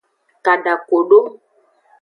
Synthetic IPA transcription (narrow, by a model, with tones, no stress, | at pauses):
ka˨ɖa˨ko˨ɖo˦